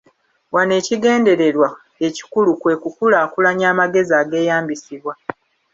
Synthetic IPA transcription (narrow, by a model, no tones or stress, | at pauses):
wane̞ːciɡe̞ːnde̞ɾe̞ɾwa | e̞ci̥kulukwe̞ːkukulaːkulaɲaːmaɡe̞ziaːɡe̞ːjaːmbisiβwa